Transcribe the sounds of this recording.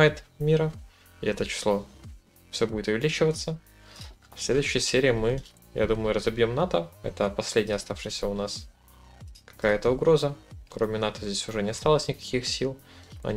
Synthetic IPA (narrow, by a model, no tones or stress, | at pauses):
ajɪt̪mʲiɾə | ɪ̰ɛt̪ət͡ɕɪ̥slˠo̞ | fsʲo̞budʲɪt̪ʊvʲɪlʲit͡ɕɪvət̪sːə | fsʲlʲed̪ʊjʏɕːɪjəsʲeɾʲɪːmɨ | ja̰d̪uməjʊɾəzɐbjo̞mnat̪əɛ̰t̪əpɐsʲlʲedʲnʲɪjəɐst̪afʂɨjsʲəʊnas | kɐ̥kajət̪əʊɡɾo̞zəkɾo̞mʲɪnat̪əzʲdʲesʲʊʐɛnʲɪɐst̪alˠəsʲnʲɪkɐ̥kʲixsʲilˠɐ̰